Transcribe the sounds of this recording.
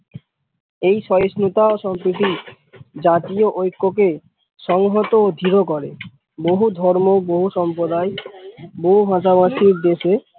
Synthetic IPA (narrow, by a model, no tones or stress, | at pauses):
ejʃɔjosnut̪aoʃɔmpɾit̪̬i | d͡ʑat̪ioʔojkːok̬e | ʃɔŋɦot̪ood̪ʱiɾokɔɾe | boɦud̪ʱɔɾmoboɦuʃɔmpɾod̪aeboɦubʱãʃabaʃiɾd̪eʃe